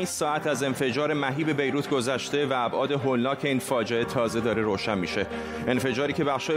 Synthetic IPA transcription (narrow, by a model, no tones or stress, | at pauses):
insɒːæt̪ʰæze̞nfe̞d͡ʒɒːɾe̞mæɦiːbe̞be̞jɾuːt̪ʰɡo̞zæʃt̪e̞væːbʔɒːd̪e̞ɦolːɒːcʰe̞iːnfɒːd͡ʒe̞e̞t̪ʰɒːze̞d̪ɒːɾe̞ɾoːʃænmiːʃe̞ | e̞nfe̞d͡ʒɒːɾiːcʰe̞bæxʃɒːj